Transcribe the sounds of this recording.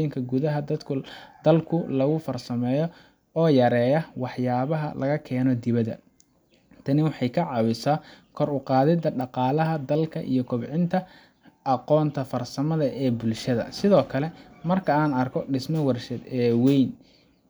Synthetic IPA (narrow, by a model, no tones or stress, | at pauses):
jɪŋkʰɐɡʊðɐɦɐd̪ɐd̪kʰʊd̪̥ɐlkʰʊlɐɣʊfɐrsɐmɛːjɔ | ɔːjɐɾɛːjɐwɑħjaːβɐɦɐ̰lʔɐɣɐkʰɛːnɔd̪ɪβɐd̪ɐ̰ | t̪ʰɐnɪwɑħɑjkʰɐʕɑwɪsaːkʰɔɾʊqɑːðɪd̪ɐɖɑqɑːlɐɦɐd̪ɐlkʰɐʔḭjɔkʰʊbʕɪnt̪ʰɐ | ɑqɔːnt̪ʰɐfɐrsɐmɐðɐʔɛːbʊlʃɐðɐ̰sɪðɔːkʰɐlɛmɐrkʰɐaːnɐrkʰɔɖɪsmɐwɐrʃɛd̪ɛːwɛjn